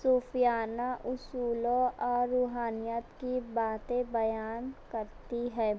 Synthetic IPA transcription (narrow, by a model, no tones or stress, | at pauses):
suːfijaːnaʔʊsuːlõɔːɾːuːɦaːnɪjət̪kibaːt̪ẽbɐjaːnkəɾt̪iɦɛː